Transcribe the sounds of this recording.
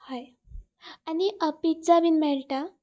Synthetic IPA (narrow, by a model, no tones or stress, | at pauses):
haj | aniəpid͡zaʋinmɛɭʈa